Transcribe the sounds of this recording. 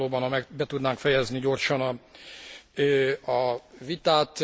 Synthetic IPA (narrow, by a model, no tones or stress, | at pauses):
oːbɒnɒmɛbɛt̪ud̪naːŋkfɛjɛzniɟo̞rʃɒnɒ | øːɒvit̪aːt̪